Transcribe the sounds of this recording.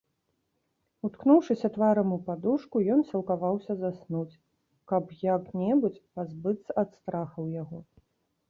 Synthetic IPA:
ut̪knuwʂɨsʲɐt̪vaɾɐmupad̪uʂkujɔnsʲɐlˠkavawsʲɐzasnut͡sʲ | kɐpjaknʲɛbut͡sʲpazbɨt̪sːɐʔat̪st̪ɾaxɐwjaɣɔ

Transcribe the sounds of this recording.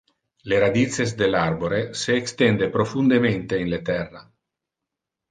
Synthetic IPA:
leɾad̪it̪sezd̪elarboɾeseːkst̪end̪epɾofund̪ement̪einlet̪ɛrːa

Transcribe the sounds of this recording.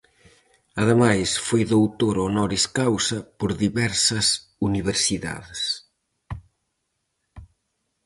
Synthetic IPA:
ɐðemajsfojðowt̪oɾonɔɾiskawsɐpoɾðiβɛɾsɐs | uniβeɾsiða̰ðes

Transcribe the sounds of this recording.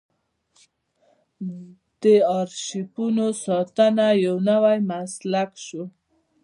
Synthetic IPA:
d̪̥əɑɾʃipunosɑt̪ənajawnawajmaslakʃo

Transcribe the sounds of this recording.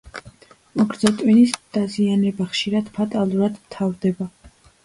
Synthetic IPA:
mɔɡɾd̪zat̪ʼwinisd̪̥azianɛbaχʃiɾad̪̥pʰat̪ʼalˠuɾad̪mt̪ʰavɾd̪ɛba

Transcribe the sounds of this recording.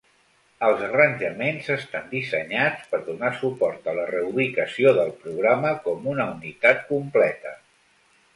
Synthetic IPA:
əlˠzərənʲʒəmenzəst̪and̪isəɲat͡spəɾðunasupɔɾt̪ələrəuβikəsioðəlˠpɾuɣ̞ɾaməkɔmunəunit̪at̪̚kumplɛt̪ə

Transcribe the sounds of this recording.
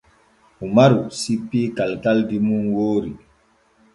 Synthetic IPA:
umaɾusipːiːkalkaldimunwoːɾi

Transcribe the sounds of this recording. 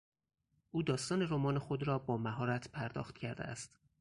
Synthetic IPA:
ʔuːd̪ɒːst̪ɒːneɾomɒːnexo̞d̪ɾɒːbɒːmæɦɒːɾæt̪ʰpʰæɾd̪ɒ̰ːxt̪cʰæɾd̪ḛæ̰st̪

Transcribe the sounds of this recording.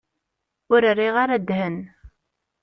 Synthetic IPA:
ʊɾərːiʁaɾæd̪ɦən

